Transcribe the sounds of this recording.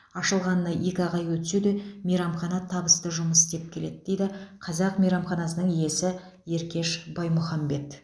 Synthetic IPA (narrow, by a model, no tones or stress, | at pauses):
ɑʃəlˠʁɑnːɑjʔe̞kʲɑʁɑjwɵt̪sed̪emejɾɑmχɑnɑt̪ʰɑbəst̪əʒʊməsst̪e̞p̚kʲʰe̞le̞̰d̪ɪd̪̥e̞jd̪ɪqʰɑzɑqmejɾɑmχɑnɑsənəɴije̞sɪ | je̞ɾkʲe̞ʃbɑjmʊχɑmbe̞t̪